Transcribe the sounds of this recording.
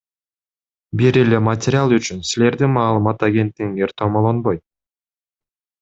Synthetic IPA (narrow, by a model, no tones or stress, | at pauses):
biɾe̞le̞matʲɪɾʲɪalˠyt͡ʃynsile̞ɾd̪imɑːlˠɯmɑt̪aɡʲe̞nt̪ːiɡiŋe̞ɾt̪ʰomolˠonbo̞jt̪̚